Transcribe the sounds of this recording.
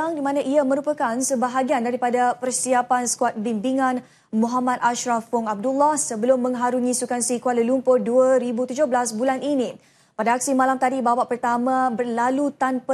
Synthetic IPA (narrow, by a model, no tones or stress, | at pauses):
aŋdimãnãʔiamə̃ɾupəkansəbaɦaɡiandaɾipadapərsiapansə̥kuat̪̚binbiŋãn | muɦamad̪aʃɾafʊŋab̚dulːahsəbəlʊmːə̃ŋɦaɾuŋĩsukansikualəlumpʊrduəɾibut̪ud͡ʒʊhblasbulaninĩ | padaːk̚simalamt̪adibawaʔpərt̪amãbərlalut̪anpə